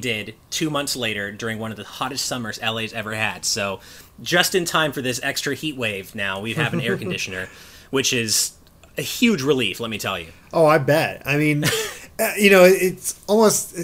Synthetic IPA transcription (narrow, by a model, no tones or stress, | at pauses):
dɪd̚tʰʉmʌ̃nθsleɪɾə˞dʊɹɪ̃ŋwʌ̃nʌvðɨhɑɾɨstsʌmə˞zɛlˠeɪzɛvə˞ɨd̥soʊd͡ʒʌstɨ̃ntʰãɪ̃ɱfə˞ðɪs̬ɛkstɹ̥ɨhiʔ̚weɪvnaʊwiv̥ɨvɨ̃nn̩ɛɹkn̩dɪʃɨnə˞ | wɨt͡ʃɪz̥ | ɨhjʉd͡ʒɹɪliflɛt̚mitʰɛ̰lˠjʉ̰ | ʔoʊaɪbɛt̚a̰ɪmĩnʌjɨnoʊɪtsɔlˠmoʊst